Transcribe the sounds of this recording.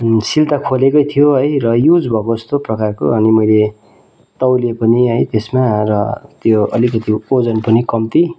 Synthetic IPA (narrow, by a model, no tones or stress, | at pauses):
silt̪akʰolekʌjt̪ʰijoɦʌjrʌjud͡zbʱʌkoʌst̪oprʌkarko̰ʌnimʌjle | t̪ʌwlepʌniɦʌjt̪esmarʌt̪joʌ̰likʌt̪iod͡zʌnpʌnikʌmt̪i